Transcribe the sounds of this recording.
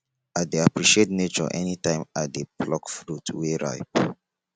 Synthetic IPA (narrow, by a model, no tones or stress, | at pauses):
at̚deapɹiʃietnet͡ʃɔ̰ʔɛnitãɪ̃madeplɔkfɹutweɹa̰ɪp̚